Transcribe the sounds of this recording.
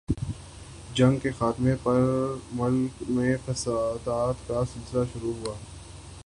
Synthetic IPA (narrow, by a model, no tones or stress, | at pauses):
d͡ʒɐ̃ŋɡkexaːt̪mepɐɾmʊlkmẽfɐsaːd̪aːt̪kasɪlsɪlaʃʊɾuɦʊaː